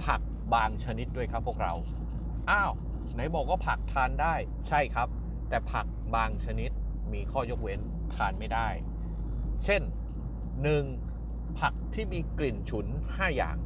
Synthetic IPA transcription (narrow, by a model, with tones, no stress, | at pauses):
pʰa˨˩k̚ | baː˧ŋt͡ɕʰa˧ni˦˥t̪̚du˥˩əjkʰa˦˥pʰːu˥˩ək̚ɾa̰˧w | ʔaː˧˥˩w | na˨˦˥jbɔː˨˩k̚waː˥˩pʰa˨˩k̚t̪ʰaː˧ndaː˥˩j | t͡ɕʰa˥˩jkʰa˦˥p̚ | t̪ɛː˨˩pʰa˨˩k̚baː˧ŋt͡ɕʰa˧ni˦˥t̪̚ | miː˧kʰɔː˥˩jo˦˥k̚we˦˥n | t̪ʰaː˧nma˥˩jdaː˥˩j | t͡ɕʰe˥˩nː | ɯ˨˩ŋ | pʰa˨˩k̚t̪ʰiː˥˩miː˧kli˨˩nt͡ɕʰu˩˦n | haː˥˩ja̰ː˨˩ŋ